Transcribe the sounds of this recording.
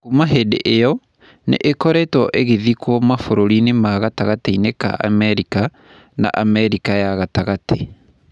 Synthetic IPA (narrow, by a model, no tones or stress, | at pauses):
kumaɦedḛʔejɔ | nḛʔekɔɾɛtwɔʔeɣeðikwɔmafoɾoɾinemaɣataɣateineka̰ʔa̰mɛɾika | na̰ʔamɛɾikajaɣataɣate